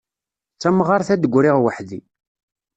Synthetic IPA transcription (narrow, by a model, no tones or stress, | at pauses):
t͡sːæmʁɑɾˤθæd̪əɡʷːɾɪʁwəħði